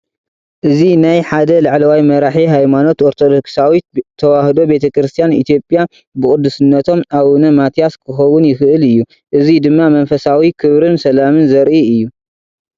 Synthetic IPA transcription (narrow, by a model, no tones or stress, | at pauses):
ʔɨzinajħad̪ɐlaʕlɐwajmɐɾaħiɦajmano̞t̪ʔoɾt̪ʰod̪oksawit̪̚ʰːɐwahd̪o̞be̞t̪ʰɐkɾɨst̪ʰijanḭt̪ʰijo̞pʼja | bɨkʼʊd̪ːusɨnːɐt̪ʰo̞maβunɐmat̪ʰjaskʰɨxɐwːʊnjɪxɨʔɨlɨjːu | ʔɨzid̪ɨmːamɐnfɐsawikʰɨβɾɨnsɐlamɨnzɐɾʔiɨjːu